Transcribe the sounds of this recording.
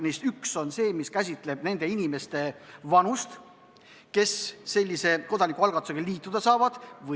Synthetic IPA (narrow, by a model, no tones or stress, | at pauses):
nist̪ykso̞nse̞ːmiskæs̬ʲit̪ˑle̞b̥ne̞nd̪̥e̞inime̞st̪e̞vɑnust̪ | ke̞sːe̞lʲːise̞ko̞d̪̥ɑnikːˑuɑlɡɑt̪ːˑu̥seɡeliːt̪ːˑud̪̥ɑsɑːvɑd̪̥vɤ